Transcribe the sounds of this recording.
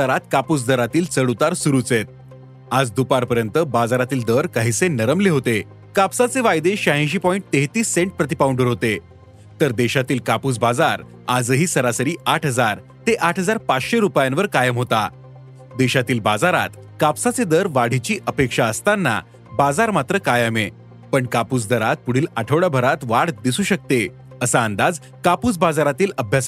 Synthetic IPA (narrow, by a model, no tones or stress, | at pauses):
aɾat̪̚kapuːsd̪əɾat̪iːlt͡səɽut̪aɾsuɾut͡set̪̚ | ad͡zd̪upaɾpəɾjənt̪əbad͡zaɾat̪iːld̪əɾkaɦisenəɾəmleɦot̪e | kapsat͡seʋajd̪eɕaɦẽɕ̬iːpɔiɳʈ̚t̪eɦt̪iːsːẽɳʈ̚pɾət̪̬ipauɳɖəɾɦot̪e | t̪əɾd̪eɕat̪iːlkapuːt͡sbad͡zaɾ | ad͡zəɦiːsəɾasəɾiːʔaʈʰɦəd͡zaɾ | t̪eʔaʈʰɦəd͡zaɾpat͡sɕeɾupjãnʋəɾkajəmɦot̪a̰ | d̪eɕat̪iːlbad͡zaɾa̰t̪ | kapsat͡sed̪əɾʋaɽ̤it͡ɕiːʔəpekʂaəst̪anːa̰ | bad͡zaɾmat̪ɾəkajəme | pəɳkapuːt͡sd̪əɾat̪̚puɽ̤iːlaʈʰəʋɽabʱəɾat̪ʋaɽd̪isuːɕək̚t̪e | əsaənd̪ad͡z | kapuːt͡sbad͡zaɾat̪iːləbʱjas